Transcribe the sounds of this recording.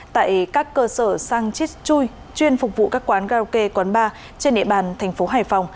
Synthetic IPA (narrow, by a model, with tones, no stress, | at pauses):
t̪a̰ː˧˨jkaː˦˥kːəː˧səː˧˩saː˧ŋt͡ɕi˦˥t̚t͡ɕu˧j | t͡ɕwi˧ənfʊ˨˩k͡p̚vṵ˧˨kaː˦˥kːwaː˨˦nɣaː˧wke˧kwə˨˦nɓaː˧ | t͡ɕe˧nɗḭ˧əɓaː˨˩nt̪ʰɛ˨˩jŋ̟fo˨˦ɦaː˧˩jfa˨˩wŋ͡m